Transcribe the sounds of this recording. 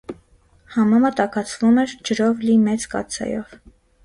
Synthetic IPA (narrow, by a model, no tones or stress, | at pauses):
hɑmɑmət̪ɑkʰɑt͡sʰvumɛɾd͡ʒəɾɔvlimɛt͡skɑ̰t͡sʰɑ̰jɔv̥